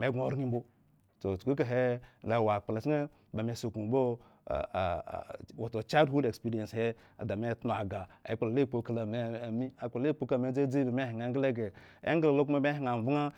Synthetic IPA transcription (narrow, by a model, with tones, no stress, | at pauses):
me˨˦ɡo˨ɾŋi˦m˦bo˦ | so˨t͡ʃku˦k̬a˨ɦe˦la˨wa˨k͡pa˨la˨t͡ʃi˦e˦ | ba˨me˨so˨ku˨bo̰˦˨ | wo˨to˨t͡ʃa˦dhu˦de˨kspi˦ɾi˨e˨se˦ | a̰˨da˨me˦tno˨a˨ɡa˨a̰˨i˦k͡pa˨la˨le˦˨k͡po˨ka˨la˨ne˦˨mi˦a˨k͡plle˦k͡po˦ka˦a˨me˦d͡ze˦d͡zi˦ba˨me˦hi˨ŋe˨˦ŋɡle˦ɡe˨ | ḛ˦ŋɡla˨lo˦ku˦ma˦me˦ɦi˨ŋa˨vu˦ŋa˦